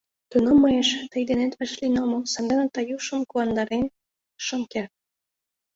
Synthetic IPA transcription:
t̪unomːɤjeʃt̪əjd̪enet̪əʃlinomosɑnd̪ɑnət̪ɑjuʃə̆mkuɑnd̪ɑɾen | ʃəmkert̪̚

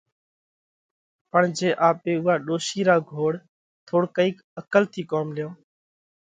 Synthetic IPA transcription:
pəɳd͡ʒeːʔaːpeːʊɦaːɗoːʃiːɾaːɡʱoːɽ | t̪ʰoːɽkəiːk | əkəlt̪ʰiːkoːmlɪjõː

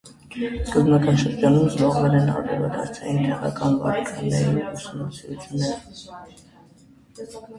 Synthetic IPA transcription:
skəznɑkɑnʃəɾd͡ʒɑnumzlɔʁvɛɾɛnɑ̰ɾvɛɾvɑd̪ɑɾt͡sʰɑjint̪ʰɛʁɑ̰kɑnvɑ̰ɾkʰɑɾijɑ̰jinusumnɑsiɾut͡sʰjunːɛɾə

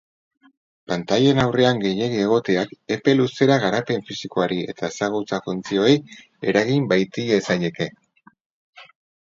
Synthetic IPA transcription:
pant̪aʎe̞nawre̞aŋɡe̞je̞ɣie̞ɣ̞o̞t̪e̞ake̞pe̞luse̞ɾaɣaɾape̞ɱfisiko̞aɾie̞̰t̪ae̞saɣ̞ut͡safunt͡sio̞e̞j | e̞̰ɾaɣimbajt̪iesaje̞ke̞

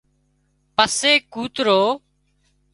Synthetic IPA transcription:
pəseːkuːt̪ɾoː

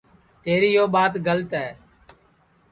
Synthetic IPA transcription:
t̪eːɾiːjoːɓaːt̪ɡəlt̪ɛː

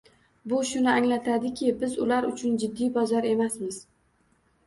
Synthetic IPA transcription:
bʊʃʊnɪaŋlat̪ʰad̪ɪkʲʰɪbɪzʊlaɾʊt͡ʃʰʊnd͡ʒɪd̪ːijbɒzaɾe̞masmɪz̥

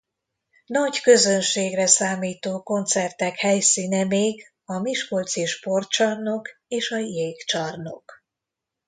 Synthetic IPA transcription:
nɒɟkø̞zønʃeːɡrɛsaːmiːt̪oːko̞nt̪sɛrt̪ɛkhɛjsiːnɛmeːɡ | ɒmiʃko̞lt̪siʃpo̞rt̪t͡ʃɒrno̞keːʃɒjeːkt͡ʃɒrno̞̰k

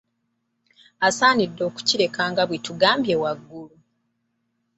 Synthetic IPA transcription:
asaːnidːo̞ːku̥ciɾe̞kaːŋɡaβwetuɡaːmbjewaɡːulu

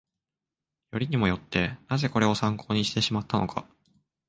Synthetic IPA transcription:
jo̞ɾʲiɲ̟imo̞jo̞t̪ːe̞naze̞ko̞ɾe̞o̞sãŋkʰo̞ːɲ̟iɕi̥t̪e̞ɕimat̪ːano̞̰kʰa̰

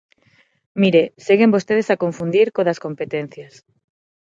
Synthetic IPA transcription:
miɾeseɣembost̪eð̞esakoɱfund̪iɾkoðɐskompet̪en̟θjas

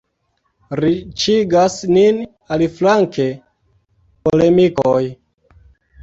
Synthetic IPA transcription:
ɾit͡ʃiɡasnin | aliflaŋke̞ | pole̞mikoj

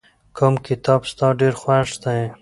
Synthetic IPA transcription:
kʰomkɪt̪ɑbst̪ɑɖeɾxwaʂd̪a

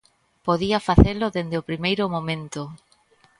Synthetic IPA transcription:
poðiafaθelʊðend̪eopɾimejɾʊmõmẽnt̪ʊ

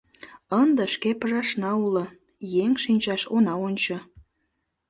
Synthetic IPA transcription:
ənd̪ə̆ʃkepəʒɑʃnɑulə | jeŋʃinʲt͡ɕɑʃonɑonʲt͡ɕə̆

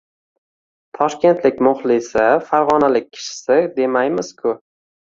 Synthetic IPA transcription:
t̪ʰɒʃkʲe̞nt̪lɪk̚ʲmʊχlˠɪsɪfaɾʁɒnalɪk̚ʲʰːɪ̥ʃɪ̥sɪd̪e̞majmɪz̥kʲʰʊ

